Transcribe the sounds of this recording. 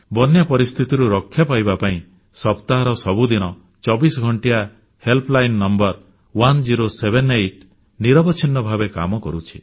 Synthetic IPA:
bɔnjapɔɾist̪ʰit̪iɾuɾɔkʰːjapajbapaĩ | sɔpt̪aɦɔɾɔsɔbud̪inɔ | t͡ʃɔbisɔɡʱɔɳʈija | helplajnːɔmbɔɾ | wand͡ʒiɾosebʱenejʈ | niɾɔbɔt͡ʃʰinːɔbʱabeka̰mɔkɔɾut͡ʃʰi̥

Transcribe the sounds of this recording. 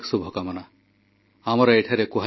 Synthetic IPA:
ksubʱɔkamana | amɔɾaeʈʰaɾɛkuɦa

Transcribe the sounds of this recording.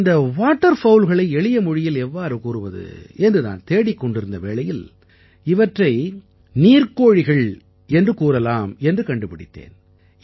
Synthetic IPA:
nd̪ɐʋaːʈːɐɾfɐʊlɣɐɭɐɪɛɭɪjɐmʊɻɪjɪlɛʋːaːɾɯkuːrɯʋɐðɯ̰ɛndrɯna̰ːnt̪eːɽɪkːɔɳɖɪɾɯnd̪ɐʋeːɭɐjɪl | ɪʋɐʈrɐɪ | niːɾkoːɻɪɣɐɭ | ɛndrɯkuːɾɐlaːmɛndrɯkɐɳɖɯpɪɽɪ̰t̪ːḛːn

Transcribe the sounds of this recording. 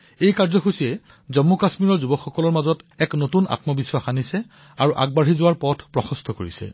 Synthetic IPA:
ejkaɹzɔxusijɛ | zɔmːukasmiɹɔɹzubɔxɔkɔlɔɹmazɔtɛknotunʔa̰tmɔbiswaxanisɛ | aɹuʔa̰ɡ̚baɹizʊwaɹpɔtʰpɹɔxɔst̪ʰɔkoɹisɛ̰

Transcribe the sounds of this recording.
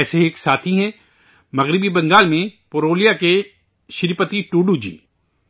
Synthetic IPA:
ɛːseeːksaːt̪ʰiɦɛ̃ː | mɐɣɾɪbibɐ̃ŋɡaːlmẽpoɾoːlijake | ʃɪɾpət̪iʈuːɖud͡ʒḭː

